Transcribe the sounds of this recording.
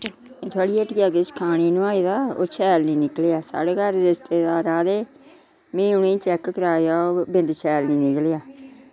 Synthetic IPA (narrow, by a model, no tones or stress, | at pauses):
t̪ʰaːɽiːeʈɡaːkɪskʰaːɽ̃iːnʊaːiːd̪aːo̰ːt͡ʃʰɛːlnĩːnɪklejaːsa̰ːɽeːkəɾɾɪst̪eːd̪aːɾaːd̪eː | mẽːʊnẽːt͡ʃɛːkkəɾaːjaːoːbɪnd̪t͡ʃʰɛːlnĩːnɪklejaː